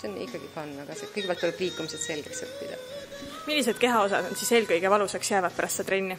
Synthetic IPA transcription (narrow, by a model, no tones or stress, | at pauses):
seonḭkːˑɑɡ̥ikɑnːɑɡ̥ɑsekɤjɡe̥ælt̪ulɛb̥liːkːumiset̪se̞lɡ̥eksɤpːid̪̥ɑ̰ | milʲːis̬e̞d̪̥̚ke̞ɦɑo̞sɑ̰d̪̥onsiːse̞ːlkɤjɡ̥e̞vɑluseksjæːvɑd̪̥̚pæɾɑst̪set̪ɾenʲːi